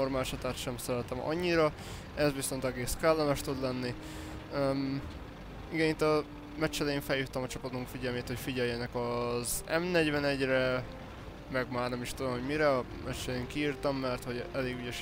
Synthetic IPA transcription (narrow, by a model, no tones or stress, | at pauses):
ormaːlʃɒt̪aːt̪ʃɛmsɛɾɛt̪ɛmɒ̰ɲːiɾɒ | ɛzviso̞nt̪ɛɡeːskɛlːɒmɛʃt̪ud̪lɛnːi | m | iɡɛɲit̪ɒ | mɛt͡ʃːɛlɛjeːɱfɛljut̪ːɛmɒt͡ʃɒpɒt̪uŋkfiɟɛlmeːt̪ho̞cfiɟɛljɛnɛkɒzɛmnɛɟvɛnɛɟrɛ | mɛɡmaːrnɛmiʃt̪ud̪o̞mɦo̞ɟmiɾɛɒ | mɛt͡ʃːɛlɛeːŋkiiːrt̪ɒmːɛrt̪ho̞ɟɛleːɡyɟɛʃ